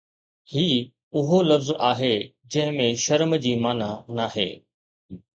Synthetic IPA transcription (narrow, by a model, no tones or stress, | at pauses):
hiː | ʊɦolɐfzaːɦe | d͡ʑɐ̃ɦɪ̃mẽʃɐɾmd͡ʑiːmaːnanaːɦḛː